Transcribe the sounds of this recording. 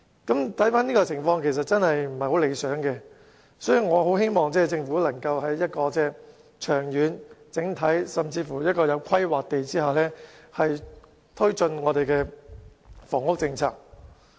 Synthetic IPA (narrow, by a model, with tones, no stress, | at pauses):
kɐ˨˥mt̪ʰɐ˨˥jfaː˥niː˥kɔ˧t͡sʰɪ˨˩ŋfɔː˧ŋkʰe˨˩js̬ɐ˨t̚t͡sɐ˥nhɐ˨jm̩˨˩hɐ˨jho˨˥wle˨˧jsœː˨˥ŋkɛ˧ | sɔː˨˥jyː˨ŋɔː˨˧ɦo˨˥whe˥jmɔː˨ŋt͡sɛː˥t͡sɪ˧ŋfuː˨˥lɐ˨˩ŋkɐ˧whɐ˨˥jːɐ˥t̚kɔː˧t͡sɛː˥˩ | t͡ʃʰœː˨˩ŋjyː˨˧nt͡sɪ˨˥ŋt̪ʰɐ˨˥jsɐ˨mt͡siː˧fuː˨˩jɐ˥t̚kɔː˧jɐ˨˧wkʰɐ˥jwaː˨k̚t̪e˨jt͡siː˥hɐ˨˩wlɛː˥hɐ˨j | t̪ʰɵ˥ɥt͡sɵ˧nŋɔː˨˧t̪e˨jkɛː˧ | fɔː˨˩ŋʊ˥k̚t͡sɪ˧ŋt͡sʰa̰ː˧˩k̚